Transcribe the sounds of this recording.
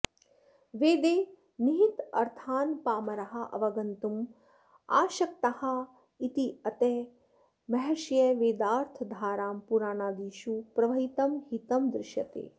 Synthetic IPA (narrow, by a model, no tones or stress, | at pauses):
ʋeːd̪eː | niɦit̪ɐ̰ɾt̪ʰaːnpaːmɐɾɐɦɐ̆ʔɐ̰ʋɐɡɐnt̪um | a̰ːʃɐk̚t̪ɐhɐ̆ | it̪iɐt̪eː | mɐɦɛʃjeʋeːd̪aːɾt̪ʰɐd̪ʱaːɾaːmpuɾaːnaːd̪iːʃupɾɐʋɐɦit̪ɐmhit̪ɐmd̪ɾɪʃjɐt̪ḛː